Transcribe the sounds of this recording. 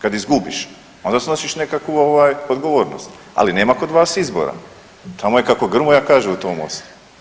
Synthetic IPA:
kad̪izɡubiʃ | ond̪asno̞siʃne̞kakʋuoʋaːjod̪ɡo̞ʋo̞ːɾno̰st̪ | a̰line̞ːmako̞d̪ʋaːsizbo̰ɾa̰ | t̪ʰamojekako̞ɡr̩mojaːkaːʒeut̪oːmo̰st̪u̥

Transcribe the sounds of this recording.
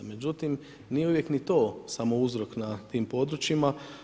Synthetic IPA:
me̞d͡ʑut̪im | nijeuʋjeknit̪o̞ːsamo̞uzɾo̞knat̪iːmpo̞d̪ɾut͡ʃima

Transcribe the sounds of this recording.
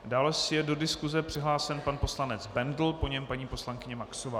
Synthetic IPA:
daːlɛsɪjɛdo̞dɪskuzɛpr̝̥ɪɦlaːsɛnpanpo̞slanɛd͡zbɛndl̩po̞ɲɛmpaɲiːpo̞slaŋkɪɲɛmaksovaː

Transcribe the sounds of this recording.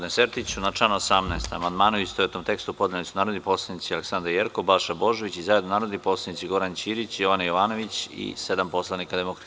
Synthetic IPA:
d̪neseɾt̪it͡ɕunat͡ʂanoosamnaest̪a̰mand̪maːnuist̪oet̪o̞mt̪e̞kst̪uupod̪nelitsunaːɾod̪nipo̞slˠanit̪sialeksand̪ɾjeɾkobalʃabo̞ʒo̞ʋit͡ɕizaːjed̪nonaːɾod̪nipo̞ːslˠanit̪siɡo̞ɾant͡ɕiːɾit͡ɕjo̞ʋanajo̞ʋaːno̞ʋit͡ɕḭse̞d̪ampo̞slˠanikad̪emokɾ

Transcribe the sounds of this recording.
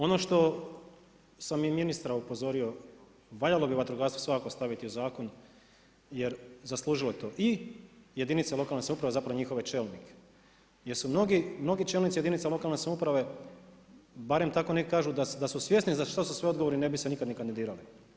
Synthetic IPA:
o̞noʃt̪o̞ | samjiminist̪ɾaupo̞zo̞ɾio̞ | ʋaʎalo̞biʋat̪ɾuɡaɾst̪ʋosʋakakost̪aʋit̪iuzaːko̞n | je̞ɾzaslˠuːʒiloet̪o̞ːʔije̞d̪init̪salo̞kalnesamupɾaʋe̞zapɾaʋo̞ɲixo̞ʋet͡ʃelnike̥ | jeɾsumnoɡimno̞ɡit͡ʃelnit̪sijed̪init̪salo̞kalne̞samupɾaʋe̞ | baɾe̞mt̪ako̞nekkaːʒud̪ad̪asusʋje̞snizaʃt̪asusʋeod̪ɡo̞ʋo̞ɾine̞bisenikad̪nikand̪id̪iːɾali

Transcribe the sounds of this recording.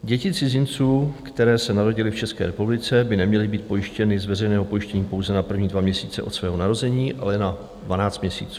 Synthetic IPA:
ɟɛcɪt͡sɪzɪnt͡suːkt̪ɛɾɛːsɛnaɾo̞ɟɪlɪft͡ʃɛskɛ̰ːɾɛpublɪt͡sɛbɪnɛmɲɛlɪbiːt̪̚po̞jɪʃcɛnɪzvɛrɛjnɛːɦo̞po̞jɪʃcɛɲiːpo̞wzɛnapr̩vɲiːdvamɲɛsiːt͡sɛʔo̞t̪svɛːɦo̞naɾo̞zɛɲiːʔalɛna | dvanaːt͡st̪mɲɛsḭːt͡suː

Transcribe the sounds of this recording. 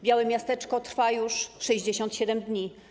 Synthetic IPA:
bʲjawɛmʲjast̪ɛt͡ʂkɔt̪ɾfajuʂʂɛʑd͡ʑeɕɔnt̪ɕɛd̪ɛmd̪ɲi

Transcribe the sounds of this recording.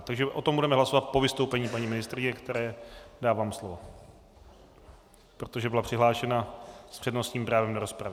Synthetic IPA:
t̪aɡʒɛʔo̞t̪ombudɛmɛɦlaso̞vat̪̚po̞vɪst̪owpɛɲiːpaɲimɪnɪst̪ɾɪɲɛkt̪ɛɾɛːdaːvaːmslovo | pɾot̪oʒɛbɪlapr̥ɪɦlaːʃɛnaspr̝̥ɛdno̞st̪ɲiːmpɾaːvɛmdoɾospɾavɪ

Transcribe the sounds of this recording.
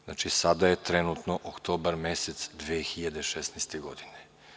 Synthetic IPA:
zna̰t͡ʃisad̪ajet̪ɾenut̪noʔokt̪oːbaɾmeset̪sd̪ʋexiʎad̪eʃesnɛjst̪eɡod̪ine̥

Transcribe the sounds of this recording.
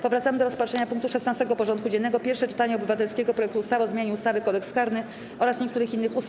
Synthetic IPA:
pɔvɾat̪samɘd̪ɔɾɔspatʂɛɲapuŋkt̪uʂɛsnast̪ɛɡɔpɔʐɔnt̪̚kud͡ʑɛnːɛɡɔpʲjɛɾfʂɛt͡ʂɘ̥t̪aɲɛɔbɘvat̪ɛlskʲeɡɔpɾɔjɛkt̪uust̪avɔzmjaɲɛust̪avɘkɔd̪ɛkskaɾnɘ | ʔɔɾasɲɛkt̪uɾɘxinːɘxus

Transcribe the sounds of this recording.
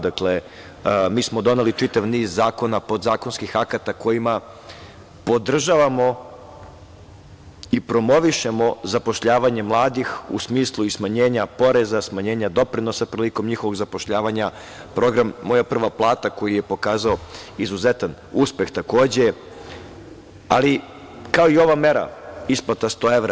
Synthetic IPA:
d̪akle | miːsmo̞d̪o̞nelit͡ʂit̪aʋniːzːaːko̞napo̞d̪zaːko̞nskixakat̪ako̞jima | po̞d̪r̩ʒaʋamo̞ | ipɾo̞mo̞ʋiʃe̞mo̞zapo̞ʃʎaːʋaɲe̞mlˠaːd̪ixṵsmiːslˠuismaɲe̞ːɲapo̞ɾe̞zasmaɲe̞ːɲad̪o̞pɾino̞sapɾiliko̞mɲixo̞ʋo̞ɡzapo̞ʃʎaːʋaɲa | pɾo̞ɡɾamːo̞japr̩ʋaplˠaːt̪ako̞jijepo̞kaːzaoizuze̞t̪an | uːspe̞xt̪ako̞ːd͡ʑe̞ | a̰li | kao̞io̞ʋame̞ɾa̰isplˠat̪ast̪o̞ːe̞ʋɾa

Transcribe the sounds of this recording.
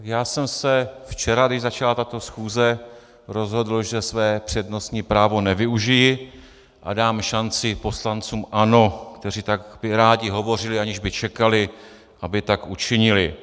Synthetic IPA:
jaːsɛmsɛft͡ʃɛɾadɪʒzat͡ʃalat̪at̪o̞sxuːzɛ | ɾo̞zɦo̞dl̩ʒɛsvɛːpr̝̥ɛdno̞sɲiːpɾaːvo̞nɛvɪuʒɪjɪ | ʔa̰daːmʃant͡sɪpo̞slant͡suːmʔano̞kt̪ɛr̝iːt̪akbɪɾaːɟɪɦo̞vo̞r̝ɪlɪaɲɪʒbɪt͡ʃɛkalɪ | ʔabɪt̪akʔut͡ʃɪɲɪlɪ

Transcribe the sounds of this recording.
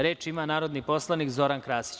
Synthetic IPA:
ɾe̞ːt͡ʃimanaːɾo̞d̪nipo̞slˠaniːkzo̞ɾankɾaːsi̥t͡ɕ

